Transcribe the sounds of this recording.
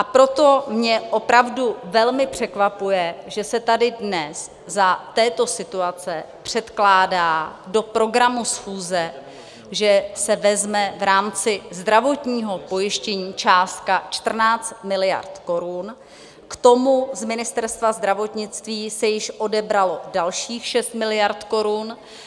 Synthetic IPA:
ʔapɾo̞t̪o̞mɲɛʔo̞pɾavduvɛlmɪpr̝̥ɛkvapujɛʒɛsɛt̪adɪdnɛs | zat̪ɛːt̪o̞sɪt̪uat͡sɛpr̝̥ɛt̪klaːdaːdo̞pɾo̞ɡɾamusxuːzɛ | ʒɛsɛvɛzmɛvɾaːmt͡sɪzd̪ɾavo̞t̪ɲiːɦo̞po̞jɪʃcɛɲiːt͡ʃaːst̪̚kat͡ʃt̪r̩naːt͡st̪mɪlɪja̰ɾt̪ko̞ɾun | kt̪o̞muzmɪnɪst̪ɛɾst̪vazd̪ɾavo̞t̪ɲɪt͡st̪viːsɛjɪʃʔo̞dɛbɾalo̞dalʃiːxʃɛst̪mɪlɪjaɾt̪ko̞ɾun

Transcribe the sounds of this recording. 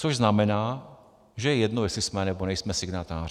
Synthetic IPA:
t͡soʒznamɛnaː | ʒɛjɛjɛd̪nojɛslismɛnɛbonɛjsmɛsiɡnat̪aːr

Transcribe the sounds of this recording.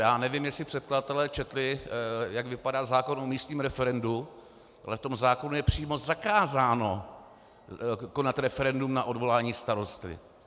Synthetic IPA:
jaːnɛvimjɛksɪpr̝̥ɛt̪̚kladat̪ɛlɛːt͡ʃɛt̪lɪjaɡvɪpadaːzaːko̞nomiːst̪ɲiːmɾɛfɛɾɛndu | ʔalɛft̪o̞mzaːko̞nujɛpr̥iːmo̞zakaːzaːno̞ | ko̞nat̪ɾɛfɛɾɛndumnaʔo̞dvo̞laːɲiːst̪aɾo̞st̪ɪ̰

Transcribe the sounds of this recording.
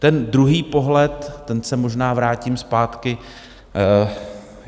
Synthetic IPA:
t̪ɛndɾuɦiːpo̞ɦlɛt̪ːɛnsɛmo̞ʒnaːvɾaːcimspaːt̪kɪ

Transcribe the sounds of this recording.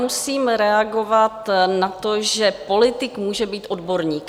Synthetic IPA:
musiːmɾɛaɡo̞vat̪nat̪oʒɛpo̞lɪt̪ɪkmuːʒɛbiːt̪ʔo̞dbo̞ɾɲiːk

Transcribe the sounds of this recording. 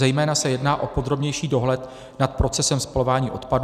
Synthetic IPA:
ɛjmɛːnasɛjɛdnaːʔo̞po̞d̪ɾo̞bɲɛjʃiːdo̞ɦlɛt̪ | nat̪̚pɾo̞t͡sɛsɛmspalovaːɲiːʔo̞t̪pad

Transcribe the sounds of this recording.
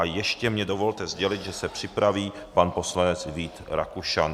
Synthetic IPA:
ajɛʃcɛmɲɛdo̞vo̞lt̪ɛzɟɛlɪd̪ʒɛsɛpr̥ɪpɾaviː | panpo̞slanɛt͡sviːt̪ɾa̰kuʃan

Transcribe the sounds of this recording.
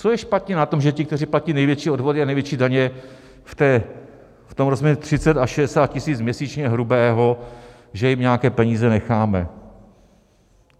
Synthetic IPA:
t͡sojɛʃpat̪ɲɛnat̪o̞mʒɛcɪkt̪ɛriːplaciːnɛjvjɛt͡ʃiːodvo̞dɪanɛjvjɛt͡ʃiːdaɲɛ | ft̪ɛː | ft̪omɾozmjɛɾut̪r̝̥ɪt͡sɛt̪aʃɛdɛsaːt̪̚cɪsiːt͡smɲɛsiːt͡ʃɲɛɦɾubɛːɦo̞ | ʒɛjɪmɲɛakɛːpɛɲiːzɛnɛxaːmɛ̰

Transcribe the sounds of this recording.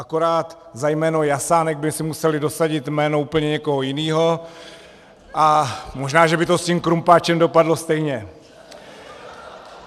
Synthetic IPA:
ʔakoɾaːt̪zajmɛːno̞jasaːnɛɡ̚bɪsɪmusɛlɪdo̞saɟɪt̪mɛːno̞uːpl̩ɲɛɲɛko̞ɦo̞jɪniːɦo̞ | ʔamo̞ʒnaːʒɛbɪt̪o̞scimkɾumpaːt͡ʃɛmdo̞padlo̞st̪ɛjɲɛ

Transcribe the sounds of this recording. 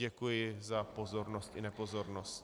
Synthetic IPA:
ɛkujɪzapozo̞ɾnost̪ɪnɛpozoɾnost̪

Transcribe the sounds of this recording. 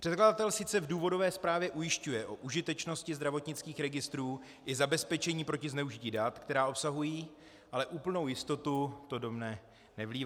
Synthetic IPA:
pr̥ɛt̪kladat̪ɛlsɪt͡sɛvduːvo̞do̞vɛːspɾaːvjɛʔujɪʃcujɛʔoʔuʒɪt̪ɛt͡ʃno̞scɪzd̪ɾavo̞t̪ɲɪt͡skiːxɾɛɡɪst̪ɾuː | ʔɪzabɛspɛt͡ʃɛɲiːpɾo̞cɪznɛuʒɪciːdat̪kt̪ɛɾaːʔo̞psaɦujiː | ʔalɛʔuːpl̩no̞wjɪst̪o̞t̪ut̪o̞do̞mnɛ | nɛvliːv

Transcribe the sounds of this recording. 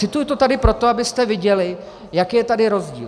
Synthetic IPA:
ɪt̪ujut̪ot̪adɪpɾo̞t̪oabɪst̪ɛvɪɟɛlɪ | jakijɛt̪adɪɾo̞zɟḭːl

